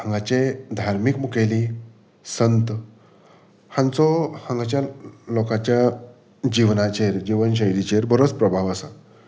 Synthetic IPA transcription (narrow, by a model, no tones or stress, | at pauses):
ɦãŋɡat͡ɕed̪ʱaɾmikmukeli | sənt̪ | hãnt͡sɔhãŋɡat͡ɕjalokat͡ɕja | d͡ʑiʋnat͡ɕeɾd͡ʑiʋənɕ̬əjɾit͡ɕeɾbəɾot͡spɾəbʱaʋəsa